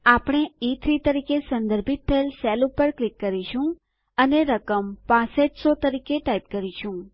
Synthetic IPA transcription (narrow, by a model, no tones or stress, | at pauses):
apɳ̃eit̪ʰɾit̪əɾikesə̃nd̪əɾbʱit̪̚t̪ʰəelsɛlupəɾklɪkːəɾiʃʰũ | əneɾəkəmpãseʈsot̪əɾikeʈajp̚kəɾit͡ʃʰũ